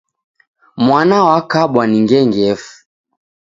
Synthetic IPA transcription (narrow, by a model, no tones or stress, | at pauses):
mwanawakaɓwaniŋɡɛŋɡɛfu̥